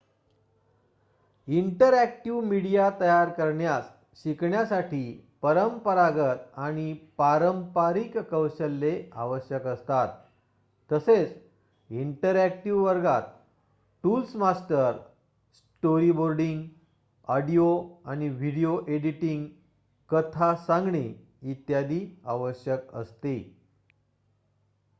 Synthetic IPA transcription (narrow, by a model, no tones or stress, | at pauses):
iɳʈəɾæk̚ʈiʋmiɽijat̪əjaɾkəɾɳjas | ɕikɳjasaʈʰiːpəɾəmpəɾaɡət̪aɽ̃ipaɾəmpaɾikkəwɕəlːea̰ʋəɕjəkəst̪at̪ː | əset͡s | iɳʈəɾæk̚ʈiʋʋəɾɡat̪̚ | ʈulsmasʈəɾ | s | ʈoɾiboɾɖiŋɡ | ɔɽijoañiʋ̤ʱiɽijoʔeɽiʈĩŋɡ | kət̪ʰasãŋɡɳi | it̪jad̪ia̰ʋəɕjəkə̰st̪i